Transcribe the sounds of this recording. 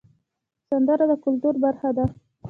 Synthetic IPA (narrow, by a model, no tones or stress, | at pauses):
sand̪aɾad̪akʊlt̪uɾbaɾxad̪a